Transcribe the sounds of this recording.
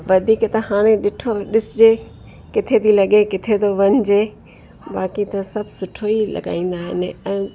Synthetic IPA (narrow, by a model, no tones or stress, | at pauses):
ʋɐd̪ʱiːkt̪ɐhaːɽ̃ẽɗɪʈʰoɗɪsɪd͡ʑe | kɪt̪ʰet̪ʰilɐɡekɪt̪ʰet̪oʋɐɲɪd͡ʑe | baːkit̪ɐsɐbʱsʊʈʰoilɐ̰ɠa̰ːĩːn̆d̪aːɦɪ̰nɪ̆ɛ̃ː